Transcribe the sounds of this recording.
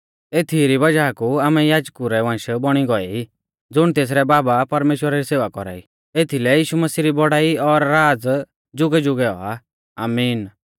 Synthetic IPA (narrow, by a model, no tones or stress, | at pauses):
eːt̪ʰiɾibɐd͡ʒaːkuaːmɛjaːd͡ʒkuɾɛʋãːʃbɔɽ̃iɡɔɛi | d͡zʊɽ̃t̪eːs̬ɾɛbaːbapɐɾmeːʃwəɾaɾiseːʋakɔ̰ɾa̰ːḭ | et̪ʰilɛjiːʃumɐsiːɾibɔɽaːiɔɾːaːd͡z | d͡ʒʊɡɛd͡ʒʊɡɛɔ̰a̰ | a̰ːmiːn